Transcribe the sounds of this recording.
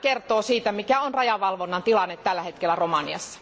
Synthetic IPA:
kert̪oːsiːt̪æmikæonrɑjɑʋɑlʋonːɑnt̪ilɑnːet̪tːælːæhet̪kelːæromɑnḭɑ̰sːɑ̥

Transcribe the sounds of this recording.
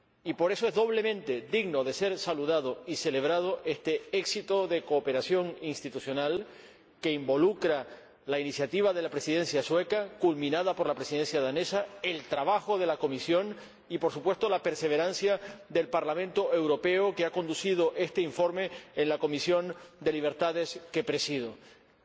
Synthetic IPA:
ipo̞ɾe̞soe̞zðo̞β̞le̞mẽ̞nt̪e̞d̪iɣno̞ðe̞se̞ɾsaluð̞að̞o̞ise̞le̞β̞ɾað̞o̞ʔe̞st̪e̞eksit̪o̞ðe̞koːpe̞ɾasjo̞ŋinst̪it̪usjo̞nal | ke̞imbo̞lukɾa | lainisjat̪iβ̞aðe̞lapɾe̞siðe̞nsjaswe̞kakulmĩnað̞apo̞ɾlapɾesiðe̞nsjaðane̞sae̞lt̪ɾaβ̞axo̞ð̞e̞lako̞misjo̞ŋ | ipo̞ɾsu̥pwe̞st̪olape̞ɾse̞β̞e̞ɾansjad̪e̞lpaɾlamẽ̞nt̪o̞e̞wɾo̞pe̞okeakond̪usið̞o̞ʔe̞st̪e̞iɱfo̞ɾme̞enlako̞misjo̞nd̪e̞liβ̞e̞ɾt̪aðe̞ske̞pɾe̞siðo

